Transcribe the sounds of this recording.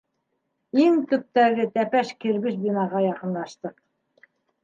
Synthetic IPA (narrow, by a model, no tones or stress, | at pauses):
iŋt̪ɵ̆p̚t̪æɡɘt̪æpæʃkiɾβɘʃbinɑʁɑjɑqɤ̆nlˠɑʃt̪ɤq̚